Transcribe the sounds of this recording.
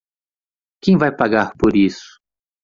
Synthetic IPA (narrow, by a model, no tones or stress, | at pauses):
kẽj̃vajpaɡaɾpoɾisʊ̥